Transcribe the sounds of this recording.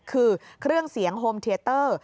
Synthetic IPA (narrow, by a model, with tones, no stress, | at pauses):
kʰɯː˧kʰɾɯ˥˩əŋsi˩˦əŋɦoː˧mt̪ʰeː˧t̪ɤː˥˩